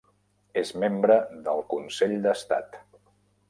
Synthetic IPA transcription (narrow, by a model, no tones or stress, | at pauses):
ezmembɾəðəlˠkunseʎd̪əst̪a̰t̪